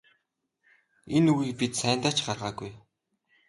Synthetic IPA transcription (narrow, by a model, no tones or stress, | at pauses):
enuɣiːk̚pit̪sæːnt̪aːt͡ɕɢarʁaːɡuj